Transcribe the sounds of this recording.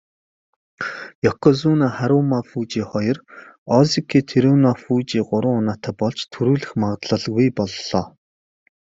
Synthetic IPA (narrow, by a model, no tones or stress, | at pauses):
jɔkʰɔzuːnaːχaɾʊːmafuːt͡ɕiːχɔjɞ̆rɔzikʰiːt̪ʰeɾuːnafuːt͡ɕiːɢʊɾə̆ŋʊnaːt̪ʰæːpɔɮt͡ɕt̪ʰɵɾuːɮɘ̆xmaʁt̪ɮə̆ɮɣujpɔɮːɔː